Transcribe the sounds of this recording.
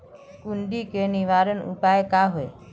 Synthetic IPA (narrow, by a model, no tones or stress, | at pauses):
kuɳɖiːkeniʋaːɾənṵpaːekaːɦoe